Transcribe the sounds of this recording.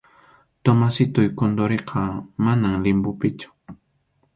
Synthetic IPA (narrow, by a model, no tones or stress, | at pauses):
t̪omasɪt̪ʊjkond̪oɾeqʰɑmanaŋlɪmbʊpɪt͡ʃʊ̥